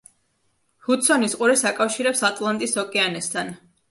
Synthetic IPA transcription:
hut̪sʰɔnisqʼuɾɛsakʼafʃiɾɛpsat̪ʼlˠant̪ʼisɔkʼɛanɛst̪ʰan

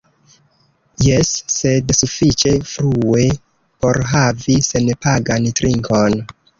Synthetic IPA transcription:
jesːe̞dsufit͡ʃe̞fɾue̞ | po̞ɾɦavise̞npaɡantɾiŋko̞n

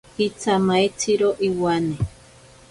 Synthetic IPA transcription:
hit͡samaet͡siɾoʔiwane

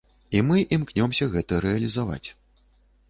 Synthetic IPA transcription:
imɨʔimknʲɔmsʲɐɣɛt̪ɐɾɛɐlʲizava̰t͡sʲ

